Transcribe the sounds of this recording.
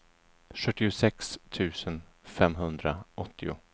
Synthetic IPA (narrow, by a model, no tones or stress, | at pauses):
ɧɵt̪ːɪʊsɛkst̪ʰʉ̟ːsənfɛmɦɵnd̪ɾaʔɔt̪ʰːɪʊ̰